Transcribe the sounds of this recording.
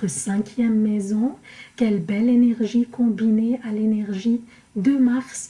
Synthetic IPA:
əsɛ̃kʲjɛmːɛzɔ̃kʲɛlbɛlenɛʁʒikɔ̃binealenɛʁʒi | d̪əmaʁs

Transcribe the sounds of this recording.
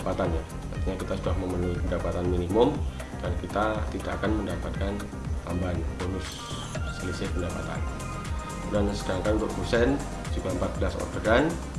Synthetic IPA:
pat̪anja | a̰t̪iɲakit̪asudahməmənuipəndapat̪anminimɔm | darnakit̪at̪ida̰ːkanməndapat̪̚kan | hambanabolʊsː | ələsɪpəndapa̰t̪a̰n | dansədaŋkanunt̪uʔpusɛn | d͡ʒuɡaəmpat̪̚bəlasɔ̰ɾtəɡan

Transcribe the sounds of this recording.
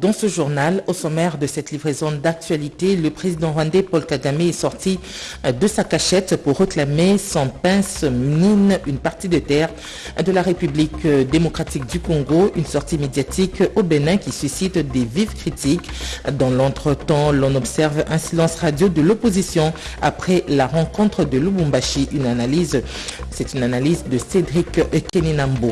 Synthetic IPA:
d̪ɑ̃səʒuʁnalosomɛʁd̪əsɛt̪livʁezõnd̪ak̚t̪ɥalit̪eləpχezid̪ɑ̃ʁwãd̪epɔlkaɡameɛsɔʁt̪i | d̪əsakaʃɛt̪puʁːəklamesɔ̃pɛ̃sminynpaʁt̪id̪ət̪ɛʁ | d̪əlaʁepyblikd̪emɔkχat̪ik̚d̪ykɔ̃ɡoynsɔʁt̪imed̪jat̪ʰikobenɛ̃kʲisysit̪d̪evivkχit̪ikd̪ɑ̃lɔ̃t̪χət̪ɑ̃lɔ̃nɔbsɛʁvɛ̃silɑ̃sʁad̪jod̪əlopozisjɔ̃a̰pχɛlaʁɑ̃kɔ̃t̪χəd̪əlubũmbaʃiʔynanaliz | sɛt̪ynanalizd̪əsed̪ʁikeninãmbo

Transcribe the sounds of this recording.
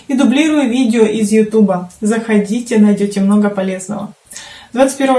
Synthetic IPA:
id̪ʊblʲiɾʊjʊvʲidʲɪoʔɪzjʊt̪ubəzəxɐdʲitʲɪnɐjdʲotʲɪmno̞ɡəpɐlʲe̞znə̰və̰ | d̪vat̪sɨ̥t̚ʲpʲeɾvəv

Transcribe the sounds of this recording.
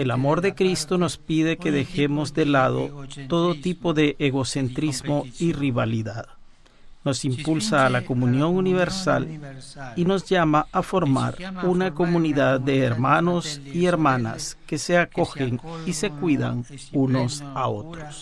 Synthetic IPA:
e̞lamo̞ɾðe̞kɾist̪o̞no̞spiðe̞ke̞ðe̞xe̞mo̞zðe̞laðo̞̰t̪o̞ðot̪ipo̞ðe̞ʔeɣo̞se̞nt̪ɾizmo̞iriβaliðað | no̞simpulsaːlako̞munjo̞ŋuniβe̞ɾsa̰l | ino̞zʝamaʔafo̞ɾma̰ɾunako̞muniðaðːe̞ːɾmano̞sie̞ɾmana̰ske̞se̞ako̞xeŋise̞kwiða̰ŋuno̞sao̞̰t̪ɾos

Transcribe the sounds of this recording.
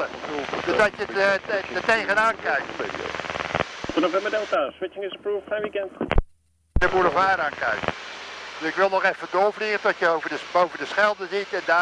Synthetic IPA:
ədøsdɑsjədətejχənaːnkɛjk̚tbɪ̰jə̰ | dənovɛmbədɛlˠtaswɪt͡ʃɪŋɪsəpɹuːfajʋikɛnt | dəmunɔfaːɾaːnkɛ̰jkəd̥əsɪkʋɪlˠnɔχɛfədʊːɹvliχəndɔtjəowvədəbowvəndəsχɛlˠdəzitɛnda

